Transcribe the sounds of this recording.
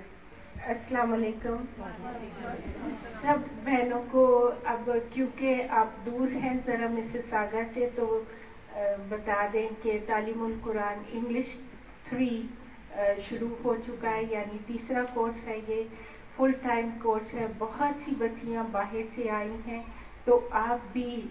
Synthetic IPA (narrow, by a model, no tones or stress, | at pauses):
ɐsəlaːmaleːkʊm | sɐbːɛːnõkoɐbkjõːkeaːp̚d̪uːɾɦɛ̃zɐɾɐmɪsesaːɡaset̪o | bɐt̪aːd̪ẽket̪aːliːmʊlkʊɾaːnɪ̃ŋɡlɪʃ | t̪ʰɾiː | ʃʊɾuɦot͡ʃʊkaɦɛjaːnit̪iːsɾakoːɾsɦɛjeː | fʊlʈaːɪmkoːɾsɦɛbɐɦɔt̪sibɐːʃijãbaːɦɪɾseaːiɦɛ̃ː | t̪oʔaːp̚bʱi